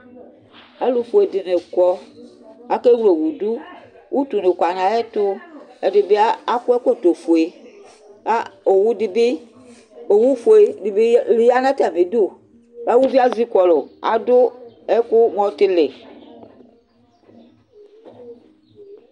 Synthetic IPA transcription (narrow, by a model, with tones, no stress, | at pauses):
e˦lu˨fo˨e˨dɪ˨ne˨kɔ˦ | a˦ke˦wu˦le˨wu˨du˦ | wʔu˦t̪u˨ne˨kʷa˨nã˨ɛ˦t̪ʊ˦e˨dɪ˨be˦a˦a˦ku˦e˦ko˦˨t̪o˨fo˨e˨ | a˦o˨wu˦di˦bɪ˦ | o˨wu˦fo˨e˨di˨be˦li˦ja˦nã˦t̪a˨me˨du˦ | a˦wu˦vi˦a˦zi˦kɔ˨lo˨a̰˨dʊ˦ | ɛ˦kʊ˦mɔ̃˦t̪ɪ˦lɪ˨